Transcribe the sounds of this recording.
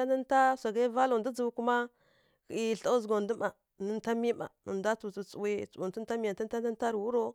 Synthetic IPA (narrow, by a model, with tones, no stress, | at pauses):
a˦nə˦n˦ta˦sa˨ɡa˦va˦lo˨ndə˦d͡zu˨˦ku˦ma˦ | ki˨i˦˨ɬa˦u˦zɡo˨ndə˦ma˨ | nə˨˦n˦ta˦mi˦ma̰˨nə̰˨nda˦tu˨t͡su˨t͡su˨wi˦˨t͡su˨wi˨ntə˦n˦ta˦mi˨a˨tə˦n˦a˦nə˦n˦ta˦ɾwu˦ɾo˦